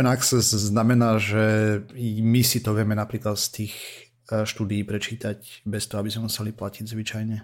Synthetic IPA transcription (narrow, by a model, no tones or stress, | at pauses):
ɛnaksɛzznamɛnaːʒɛ | misit̪ɔʋɪɛmɛnapɾiːklat̪st̪iːx | ʃt̪uːd̪ijiːpɾɛt͡ʃiːt̪aɟbɛst̪ɔɦɔabizmɛmusɛliplaciɟzʋit͡ʃajɲɛ